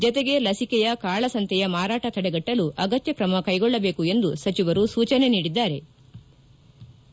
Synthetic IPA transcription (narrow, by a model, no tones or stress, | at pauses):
d͡ʒɔt̪eɡe̞lɐsikɛjɐkaːɭɐsɐnt̪ʰɛjɐmaːɾaːʈɐt̪ɐɽɛɡɐʈːɐluʔɐɡɐt̪jɐkɾɐmɐkɐjɡɔɭːɐbe̞ːkue̞nd̪usɐt͡ʃiʋɐɾusuːt͡ʃɐne̞niːɽid̪ːaːɾe̞